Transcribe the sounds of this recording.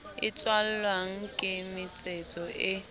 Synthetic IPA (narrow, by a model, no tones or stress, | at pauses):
ɪ̰t͡sʼwal̩lwaŋ̩kʼɪmɪt͡sʼet͡sʼɔʔɪ